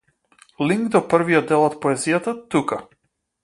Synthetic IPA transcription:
lʲiŋɡd̪ɔpəɾvijɔd̪d̪ɛlˠɔt̪pɔɛzijat̪at̪uka

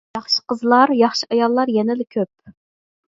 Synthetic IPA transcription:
jɑχʃi̥qəzlˠɑɾjɑχʃiʔɑjɑlˠːɑɾjɛnɪlɪkʲʰøp̚

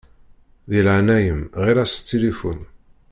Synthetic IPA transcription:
ðilʕnæjəmʁiɾæst̪ːilifun

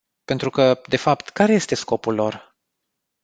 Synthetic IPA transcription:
pe̞nt̪ɾukəd̪e̞fapt̪kaɾe̞je̞st̪e̞sko̞pulːo̞r

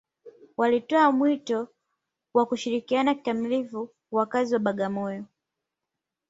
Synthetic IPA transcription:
walitɔamwitɔ | wakuʃiɾikianaki̥tamilivu | wakaziwaɓaɠamɔjɔ

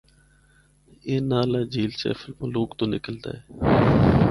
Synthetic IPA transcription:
eːnaːlaːd͡ʒiːlt͡ʃɛ̰ːfɪlmõloːkt̪õːnɪkəld̪a̰ːɛː

